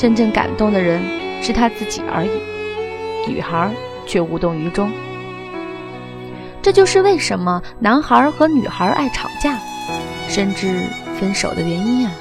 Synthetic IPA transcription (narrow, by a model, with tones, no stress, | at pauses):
ʂə˥nʈ͡ʂə˥˩nka̰˨˩nt̪ʊ˥˩ŋd̪ə˩ɻə˧˥nʂɻ̩˥˩t̪ʰa˥t͡sɹ̩˥˩t͡ɕḭ˨˩ə̰˧˥i˨˩˦ny̰˨˩xə˧˥ | t͡ɕʰɥɛ˥˧u˧˥t̪ʊ˥˩ŋy˧˥ʈ͡ʂʊ˥ŋ | ʈ͡ʂɤ˥˧t͡ɕjo˥˧ʊʂɻ̩˥˧we˥˩ɪʂə˧˥nmə˧na˧˥nxə˞˧˥xɤ˧˥ny̰˨˩xə˧˥ʔa̰˥˩ɪʈ͡ʂʰɑ̰˨˩ŋt͡ɕja˥˩ | ʂə˥˧nʈ͡ʂɻ̩˥˩fə˥nʂo˨˩ʊd̪ə˦ɥɛ˧˥ni˥nɐ˨